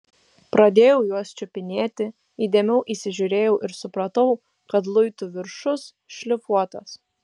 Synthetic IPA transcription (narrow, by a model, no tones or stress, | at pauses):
pɾɐd̪ʲeːjɛʊjuɔst͡ʃʲʊpʲɪnʲeːt̪ʲɪ | iːd̪ʲɛːmʲɛʊʔisʲɪʒʲuɾʲeːjɛʊʔɪɾsʊpɾɐt̪ɐʊ | kɐt̪̬lˠʊɪt̪ʊʋʲɪɾʃʊs | ʃʲlʲɪfuɔt̪ɐs